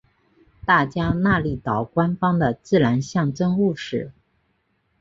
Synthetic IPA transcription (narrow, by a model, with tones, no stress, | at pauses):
t̪a˥˩t͡ɕja˥na˥˧li˥˩t̪ɑ˨˩ʊkwa˥nfɑ˥ŋd̪ə˨t͡sɹ̩˥˩ɻa˧˥nɕjɑ˥˩ŋʈ͡ʂə˥ŋu˥˧ʂɻ̩˥˩